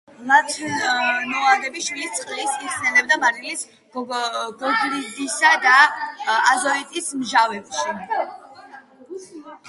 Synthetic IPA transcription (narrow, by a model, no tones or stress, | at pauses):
lat̪ʰnɔalɛbiʃwilist̪sʼqʼlisiksɛlɛb̚d̪amaɾilis | ɡ̥ɔɡɾid̪isad̪a | azɔɛt̪ʼismʒavɛbʃi